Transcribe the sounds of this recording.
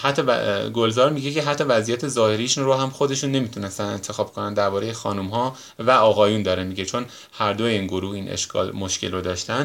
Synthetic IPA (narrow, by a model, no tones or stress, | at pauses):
hæt̪ʰːɒ̰ɡolzɒːɾmiɟecʰe̞ɦæt̪ʰːɒvæzijæt̪ʰe̞zɒːhe̞ɾiʃunɾoɦæmxo̞d̪e̞ʃunːe̞mit̪ʰunest̪ænd̪e̞nt̪ʰe̞xɒːb̥kʰonænd̪æɾbɒːɾejexɒːnumɦɒː | væɒːɣɒːjuːnd̪ɒːɾemiɟet͡ʃʰo̞n | hæɾd̪ojeiːnɡoɾuːhinʔḛʃkʰɒ̰lmo̞ʃcʰelrod̪ɒːʃt̪ænd̪